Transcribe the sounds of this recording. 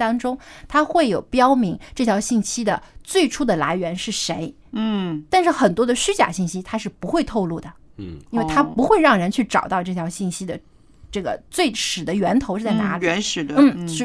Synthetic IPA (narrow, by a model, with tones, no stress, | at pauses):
t̪ɑ˥ŋʈ͡ʂʊ˥ŋt̪ʰa˥xwe˥˩ɪjo˨˩ʊpjɑ˥ʊmi˧˥ŋʈ͡ʂɤ˥˩t͡ɕʰjɑ˧˥ʊɕi˥˩nɕi˥d̪ə˨t͡swe˥˩ɪʈ͡ʂʰu˥d̪ə˨la̰˧˥ɪɥɛ˧˥nʂɻ̩˥˩ʂe˧˥ɪ˥˩ | t̪a˥˧nʂɻ̩˥˩xə˨˩nt̪wɔ˥d̪ə˨ɕy˥t͡ɕja̰˨˩ɕi˥˩nɕi˥t̪ʰa˥ʂ̬ɻ̩˥˩pu˧˥xwe˥˧ɪt̪ʰo˥˧ʊlu˥˩d̪ə˩ | i˥nwe˥˧ɪt̪ʰa˥pu˧˥xwe˥˧ɪɻɑ˥˩ŋɻə˧˥nt͡ɕʰy˥˩ʈ͡ʂɑ̰˨˩ʊt̪ɑ˥˧ʊʈ͡ʂɤ˥˩jɑ˧˥ʊɕi˥˩nɕi˥d̪ə˨ | ʈ͡ʂɤ˥˩ɡə̰˩t͡swe˥˩ɪʂɻ̩˨˩d̪ə˦ɥɛ˧˥nt̪ʰo˧˥ʂɻ̩˥˩t͡sa˥˩na̰˧˥lɛ˧˥nʂɻ̩˨˩dn̩˥˩˥